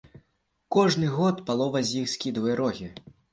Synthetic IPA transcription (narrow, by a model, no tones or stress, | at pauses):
kɔʐnɨɣɔt̪palˠɔvɐzʲjixsʲkʲid̪ujɐɾɔɣʲi